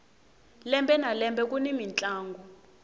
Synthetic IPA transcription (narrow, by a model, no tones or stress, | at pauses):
lɛmbʱɛnalɛmbɛk̬ʼunimint͡ɬʼaːŋɡʱɔ